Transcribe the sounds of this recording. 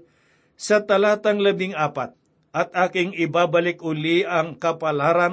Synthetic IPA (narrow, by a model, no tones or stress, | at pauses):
sat̪alat̪aŋləbɪŋapat̪̚ | ʔat̪akɪŋibabalɪkuliaŋkapalaɾan